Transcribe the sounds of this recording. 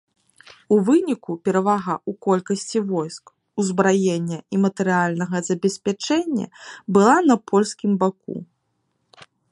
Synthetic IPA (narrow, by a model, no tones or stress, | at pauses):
uvɨnʲikupʲɛɾɐvaɣɐukɔlʲkɐsʲt͡sʲivɔjsk | uzbɾajenʲːɐimɐt̪ɨɾɨalʲnɐɣɐzɐbʲɛsʲpʲat͡ʂɛnʲːɐ̰bɨlˠanɐpʰɔlʲskʲimbak̚ṵ